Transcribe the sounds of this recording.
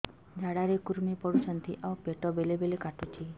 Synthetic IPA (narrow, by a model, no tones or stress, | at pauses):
d͡ʒʱaɽaɾekuɾmipɔɽut͡ʃʰɔnt̪ʰiʔawpeʈɔbelebelekaʈut͡ʃʰi